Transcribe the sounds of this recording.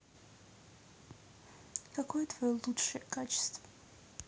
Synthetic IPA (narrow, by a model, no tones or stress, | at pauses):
kɐkojət̪vɐjolˠutʂəjəkat͡ɕɪ̥st̪və̥